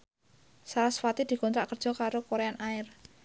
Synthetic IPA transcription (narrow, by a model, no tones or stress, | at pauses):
saɾasfat̪id̪̥i̤kɔnt̪ɾaʔkərd̥ʒ̥ɔ̤kaɾokoɾeanaɪr